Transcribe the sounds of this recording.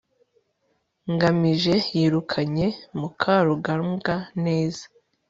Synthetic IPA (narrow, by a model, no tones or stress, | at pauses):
ŋɡamiʒe̞jiːɾukʰaɲe̞mukʰaːɾuɡaɾɡane̞ːz̥a